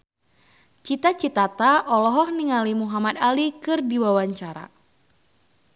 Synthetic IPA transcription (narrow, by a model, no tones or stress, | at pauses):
t͡ʃit̪at͡ʃit̪at̪aʔɔlɔɦɔhniŋalimuɦamad̪alikɨrdiwawaɲt͡ʃaɾa̰